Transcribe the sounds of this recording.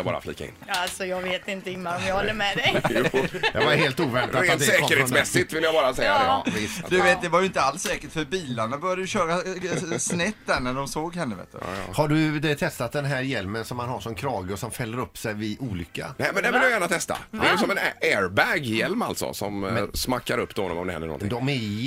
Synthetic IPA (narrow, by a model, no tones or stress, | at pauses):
bɑ̰ːɾa̰flḭːkːa̰ɪ̰nalsɔjɑːɡveːt̪ɪnt̪əɪmːaɔmjɑhɔlːəmɛɛj | d̪ɑaɾheːlt̪uːvɛɳaɾeːnt̪sɛːktəɾːsmɛsːɪt̪vɪljabɑːɾasɛjːad̪ɛ̰vɪsd̪ɵveːt̪̚d̪ɛvajʏɪnt̪əalsːɛːkəʈfœɾbiːlaɳabœɾjad̪əjɵɕøːɾasnɛt̪ːd̪æɾɳæɖɔmsoːɡɦɛnːəvḛːt̪d̪̰haɖɵt̪ʰɛst̪at̪̚d̪ɛnɦæːɾjɛlmənsɔmhanhaʂɔmkʰɾɑːɡəɔsɔmfɛlːəɾɵpːsɛjvɪʔuːlʏkːa̰nɛmɛnd̪ɛvɪjajæːɳat̪ʰɛst̪a̰dɛjjəsɔmɛnɛːɾbɛɡjɛlma̰lt̪sɔ̰sɔ̰mmsmakːaɾɵpːd̪hɔnɔ̰mɔmd̪ɛɛ̰nːə̰ɾnɔ̰d̪ɔmɛ